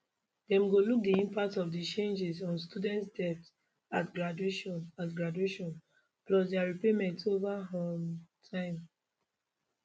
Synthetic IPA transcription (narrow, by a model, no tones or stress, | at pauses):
dɛ̃mɡoluk̚diĩmpak̚tɔfdit͡ʃẽnd͡ʒizɔ̃nstudɛ̃ntsdɛft | atɡɹadueʃɔ̃natɡɹadueʃɔ̃n | plɔsdɛaɹipemɛ̃ntovaɦɔ̃mtʰãɪ̃m